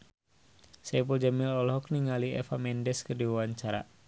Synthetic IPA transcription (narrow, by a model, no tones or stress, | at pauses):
sɛpuld͡ʒamilɔlɦɔk̚niŋaliɛ̰famɛndɛskərdiwaaɲt͡ʃaɾa̰